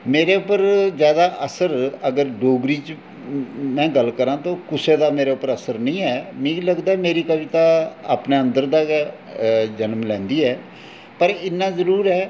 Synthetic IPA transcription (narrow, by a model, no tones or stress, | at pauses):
meːɾeːʊpːəɾzjaːd̪aːʔəsəɾəɡəɾɖoːɡɾiːt͡ʃ | mɛ̃ːɡəlkəɾãːt̪õːkʊseːd̪aːmeːɾeːʊpːəɾəsəɾnəĩːɦɛːmĩːləɡd̪aːɛmeːɾiːkəʋiːt̪aːa̰ːpneːə̃nd̪əɾd̪aː | d͡ʒənmlɛ̃ːnd̪iːɦɛː | pəɾɪnːãːzəɾuːɾɦɛː